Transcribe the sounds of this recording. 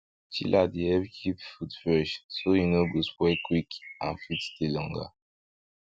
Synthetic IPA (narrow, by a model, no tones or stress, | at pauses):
t͡ʃilʔadiɛbkʰipfudfɛʃsoinoɡospɛkwikã̰nfittilɔŋɡa̰